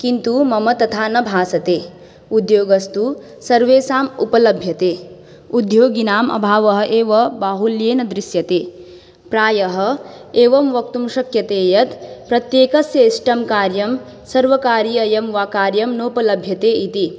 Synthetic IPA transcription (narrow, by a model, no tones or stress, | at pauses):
kint̪umɐmɐt̪ɐt̪ʰaːnɐbʱaːsɐt̪eː | ud̪joːɡɐst̪u | sɐɾʋeːsaːmupɐlɐbʱjɐt̪eː | ud̪joːɡinaːmʔɐ̰bʱaːʋɐɦɐ̆ʔeːʋɐbaːɦuljeːnɐd̪ɾisjɐt̪eː | pɾaːjɐɦɐ̆ | eːʋɐmʋɐk̚t̪umʃɐkjɐt̪eːjɐt̪pɾɐt̪jeːkɐsjɐːsʈɐmkaːɾjɐm | sɐɾʋɐkaːɾijɐjɐmʋaːkaːɾjɐmnoːpɐlɐbʱjɐt̪eːit̪i